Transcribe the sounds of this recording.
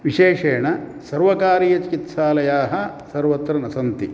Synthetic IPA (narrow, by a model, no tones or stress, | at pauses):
ʋiʃeːʂeːɳɐ | sɐɾʋɐkaːɾijɐt͡ʃikit̪saːlɐjaːɦɐsɐɾʋɐt̪ɾɐnɐsɐnt̪i